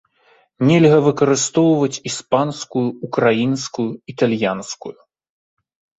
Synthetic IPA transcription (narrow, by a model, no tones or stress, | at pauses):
nʲɛlʲɣɐvɨkɐɾɨst̪ɔwvɐt͡sʲispanskujuːkɾajinskujuit̪alʲjanskuju